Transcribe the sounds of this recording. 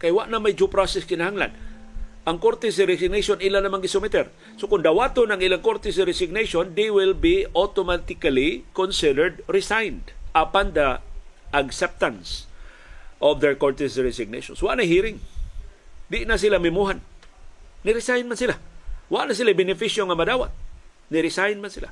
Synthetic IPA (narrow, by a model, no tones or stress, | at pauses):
kajwaʔnamajd͡ʒupɾasɛskɪnahaŋla̰nʔɐŋkoɾt̪ɛsɪɾɛsɪɡ̚nejʃonɪlanɐmaŋɡɪsʊmɪt̪ɛɾ | sokʊnd̪awaːt̪onɐŋɪlaŋkoɾt̪ɛs̬ɪɾɛsɪɡ̚neʃond̪ejwɪlbiot̪omat̪ɪkalikonsɪdəɹd̪ɾɪsajnd̪apand̪ɐʔaɡsɛp̚t̪ãns | ʔɔvd̪ɛɹkoɹt̪ɛsɾɛsɪɡ̚nḛjʃo̰nswaʔnaɦiːɾɪŋ | d̪ɪʔnas̬ɪlamɪmuɦan | nɪɾɪsajnmansɪlawaʔnas̬ɪlajbɪnɪfiʃjoŋamad̪aːwa̰t̪̚ | nɪɾɪsajnmansɪla̰